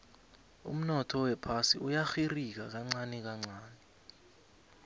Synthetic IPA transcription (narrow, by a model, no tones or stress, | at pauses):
ṵm̩nɔtʰɔwɛpʰasiujaxirik̬ak̬aŋ͡ǀanik̬aŋ͡ǀaːni